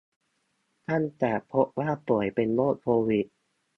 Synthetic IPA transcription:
t̪ʰa˥˩ntɛː˨˩pʰo˦˥p̚waː˥˩pu˨˩əjpe˧nloː˥˩t̪̚pʰoː˧wi˨˩t̪̚

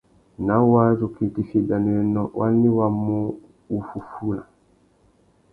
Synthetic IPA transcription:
na˨˦wa˦zo˨ki˨ti˦fi˨da˨nu˨ɛ˦nɔ˦wa˦nːi˦wa˨mu˦ | u˨fu˨fu˦la˨

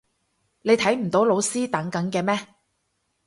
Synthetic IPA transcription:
ne˨˧jt̪ʰɐ˨˥jm̩˨˩t̪o˨˥wlo˨˧wsiː˥t̪ɐ˨˥ŋkɐ˨˥ŋkɛː˧mɛː˥

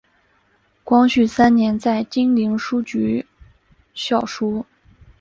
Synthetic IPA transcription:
kwɑ˥ŋɕy˥˩sa˥nnjɛ˧˥nt͡sa˥˩ɪt͡ɕi˥ŋli˧˥ŋʂu˥t͡ɕy˧˥ | ɕjɑ˥˩ʊʂu˥

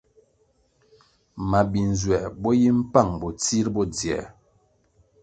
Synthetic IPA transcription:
ma˨bi˨n˨zwɛ˨bɔ˦ji˦m̩˦pa˦˨ŋbɔ˨t͡si˦ɾbɔ˦d͡zɛ̰˨

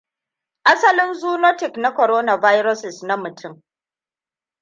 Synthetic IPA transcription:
ʔa˦sɐ˦lɪ˦nzuː˦no˦tɪ˨kna˦kʷɔ˨ɾoː˦na˨vaː˦jɾɔ˦sɪ˨sna˦mʊ˨tʰʊ˦˨m

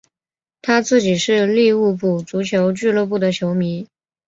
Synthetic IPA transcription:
t̪ʰa˥t͡sɹ̩˥˩t͡ɕi˨˩ʂɻ̩˥˧li˥˧u˥˧pu˥˩t͡su˧˥t͡ɕʰjo˧˥ʊt͡ɕy˥˧lwɤ˥˧p̬u˥˩d̪ə˩t͡ɕʰjo˧˥ʊmi˧˥n

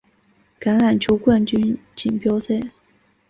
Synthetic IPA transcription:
ka˧˥nla˨˩nt͡ɕʰju˧˥ʊkwa˥˩nt͡ɕy˥nt͡ɕi˨˩npjɑ˥ʊse˥˩ɪ

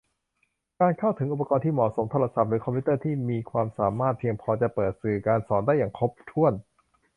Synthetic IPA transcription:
kaː˧nkʰa˥˩wt̪ʰɯ˩˦ŋʔu˨˩pːa˧kɔː˧nt̪ʰiː˥˩mɔː˨˩so˩˦mt̪ʰoː˧la˧sa˨˩p̚ɾɯː˩˦kʰɔ˧pʰiː˦˥t̪ɤː˥˩t̪ʰiː˥˩miː˧kʰwaː˧msaː˩˦maː˥˩t̪̚pʰi˧əŋpʰɔː˧t͡ɕa˨˩pɤː˨˩t̪̚sɯː˨˩kaː˧nsɔː˩˦ndaː˥˩jːaː˨˩ŋkʰo˦˥˩p̚t̪ʰu˥˩ən

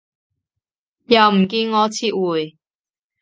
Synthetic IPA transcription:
jɐ˨wm̩˨˩k̬iː˧nŋɔː˨˧t͡sʰiː˥t̚wuː˨j

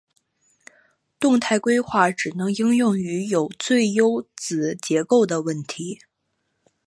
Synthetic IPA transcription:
t̪ʊ˥˧ŋt̪ʰa˥˩ɪkwe˥ɪxwa˥˩ʈ͡ʂɻ̩˨˩nɤ˧˥ŋi˥ŋjʊ˥˩ŋy˧˥jo˨˩ʊt͡swe˥˩ɪjo˥ʊt͡sɹ̩˨˩t͡ɕjɛ˧˥ko˥˩ʊd̪ə˩wə˥˩nt̪ʰi˧˥

